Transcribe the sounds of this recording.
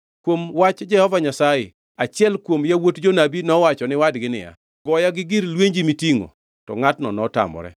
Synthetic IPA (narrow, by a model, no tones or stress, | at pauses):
kwomwat͡ʃd͡ʒɛhɔvaɲasajɪ̰ | at͡ʃɪɛlkwomjawotd͡ʒonabinɔwat͡ʃɔnɪwadɡɪnɪ̰ja̰ | ɡɔjaɡɪɡɪɾlweɲd͡ʒimitiŋo̰ | tɔ̰ŋatnɔnɔta̰mɔ̰ɾɛ̰